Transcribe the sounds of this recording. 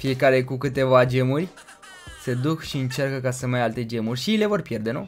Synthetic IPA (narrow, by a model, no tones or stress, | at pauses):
fije̞kaɾe̞kukɨt̪e̞vad͡ʒemurʲ | se̞d̪ukʃiɨnt͡ʃarkəkasəmajalt̪e̞d͡ʒe̞murʲʃijele̞vo̞rpje̞rd̪e̞nṵ